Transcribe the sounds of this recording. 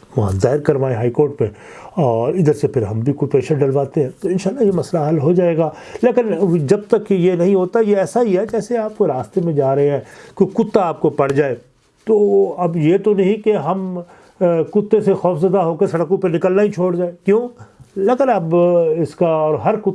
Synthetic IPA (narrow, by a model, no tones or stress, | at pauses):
ʋɐɦã̰zaːɦɪɾkɐɾʋaːẽɦaːikoːɾʈmḛ̃ | ɔːɾɪd̪əɾsepʰɪɾɦɐmbʱikʊpeːʃəɾɖɐɾʋaːt̪eɦɛ̃ːt̪oɪnʃaːlːajemɐslaɦɐlɦod͡ʒaːeːɡaːleːkɪnd͡ʒɐb̚t̪ɐkːjenɐɦĩɦoːt̪ajeɛːsaɦiɦɛd͡ʒɛːseaːp̚koɾaːst̪emẽd͡ʒaːɾɐɦeɦɛ̃ːkokʊt̪ːaaːp̚kopɐɽ̤d͡ʒaːeː | t̪oːɐbjet̪onɐɦĩkeɦɐm | kʊt̪ːesexɔːfzɐd̪aɦoːkesɐɽəkõpenɪkəlnaɦit͡ʃʰoːɽd͡ʒaːekjõːleːkənɐbɪskaɔːɾɦɐɾkʊ